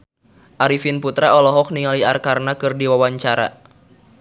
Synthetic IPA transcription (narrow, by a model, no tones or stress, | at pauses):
ʔaɾifinput̪ɾaɔlɔɦɔk̚niŋaliarkarnakɨrdiwawaɲt͡ʃaɾa̰